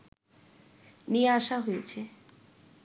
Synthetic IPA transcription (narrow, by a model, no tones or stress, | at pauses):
niaʃaɦojet͡ɕʰe